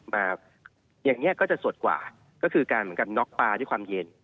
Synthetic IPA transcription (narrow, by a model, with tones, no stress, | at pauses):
maː˧ | jaː˨˩ŋːi˦˥ɐʔkɔː˥˩t͡ɕa˨˩ʔsu˨˩ət̪̚kwa̰ː˨˩ | kɔː˥˩kʰɯː˧kaː˧nmɯ˨˦nka˧nːɔ˦˥k̚paː˧ɾu˥˩kʰwaː˧mje˧n